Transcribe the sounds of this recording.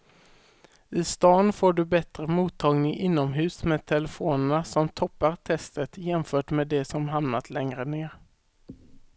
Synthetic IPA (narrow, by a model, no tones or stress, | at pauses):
ɪst̪ɑːnfoːɖɵbɛt̪ɾəmuːt̪ʰːɑːɡnɪŋʔɪnːɔmɦʉ̟ːsmeːt̪ʰɛləfoːnəɳasɔmt̪ʰɔpːaɾt̪ʰɛst̪ət̪jɛmfœːʈmeːd̪ɛsɔmɦamnat̪lɛŋɾəneːɾ